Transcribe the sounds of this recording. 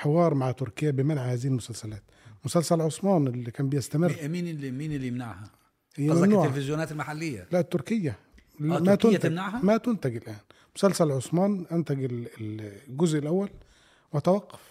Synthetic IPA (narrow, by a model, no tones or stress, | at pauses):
ħewɑːɾˤmaʕat̪ʊɾkɪjːæbɪmænʕahæːzihilmʊsælsælæːt̪mʊsælsælʕosˤmɑːnɪlːikæːnbejest̪æmɪrˤmiːnlimiːnelːijmna̰ʕhæ | hɪjːæmæmmnuːʕelfɪzjʊnæːt̪elmaħalːɪjːæ̰læʔt̪ːʊɾkɪjːæ | mæt̪ʊnːæt̪mnaʕhæmæt̪ʊnt̪æɡɪlʔæːn | mʊsælsælʕosˤmɑːnʔænt̪æɡɪllɡʊzʔɪlʔæwːæl | wæt̪æwɑqːɑ̥f